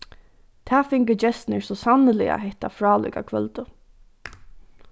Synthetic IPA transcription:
t̪ʰæːfɪŋkəd͡ʒɛst̪nɛɹsɔsanːɪlɪ̰a̰ɦɛht̪afɹɑːlʊ̰ka̰kʰvœlt̪ʊ

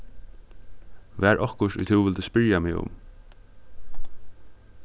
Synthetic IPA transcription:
væːɹʔɔhkʊʃtʊ̰jt̪ʰɪwvɪld̪ʉspɪɹjamɪʊ̰m

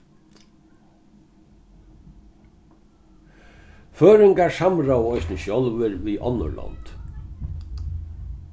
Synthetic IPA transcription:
føːɾɪŋkaɹsamɾawɔjsnəʃjɔlʋɪɾʋiʔɔ̰nːɔ̰lɔ̰nt̪

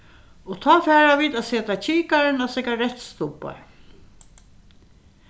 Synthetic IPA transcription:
ɔt̪ʰɔːfɛːɹaʋiːt̪aseːt̪at͡ʃʰiːkaɾɪnasɪkaɹɛt̪st̪ʊpːa̰ɹ

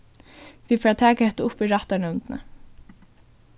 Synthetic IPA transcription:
vifɾat̪ʰæːkahɛht̪ʊʊpiɾaht̪anɪʊnt̪ɪnə̰

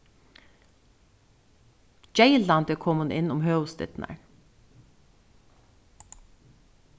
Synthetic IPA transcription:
d͡ʒeɪlɑnd̪əkʰɔmʊnɪnʊmhøːʊst̪ɪ̰t̪n̩ʔə̰ɹ

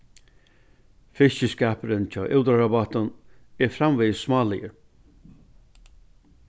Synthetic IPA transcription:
fɪʃəskæːpəɾɪnt͡ʃʰɑ̰ːʔɪwt̪aɾabat̪ʊnɛɾfɾamviːsmɑːlɪjə̰ɾ

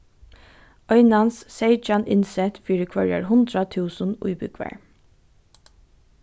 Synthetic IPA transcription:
œʏnɑnsseɪd͡ʒɑnɪnsɛt̪fiːɾəkʰʋœɹə̰ɹhʊnd̪ɾɑt̪ʰʉːsən̩ʊ̰ʏbʏkʰʋæ̰ːɹ

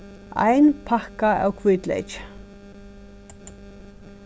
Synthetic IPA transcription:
a̰jnpʰahkaa̰wkʰvʏt̪lḛjt͡ʃ

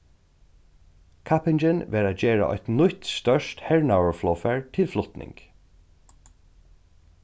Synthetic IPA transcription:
kʰapɪnd͡ʒɪnʋɛːɹaːt̪d͡ʒeːɹa̰ʔɔ̰t̪nʊt̪st̪œʂt̪hɛɹɳawəɹflɔːfɛɹt̪ʰɪlflʊt̪nɪ̰ŋk

